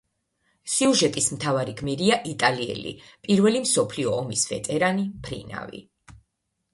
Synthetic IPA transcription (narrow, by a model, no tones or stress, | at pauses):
siuʒɛt̪ʼismt̪ʰavaɾiɡmiɾiaʔit̪ʼaliɛ̰lḭpʼiɾvɛlimsɔpʰliɔːmisvɛt̪ʼɛɾanipʰɾḭna̰vḭ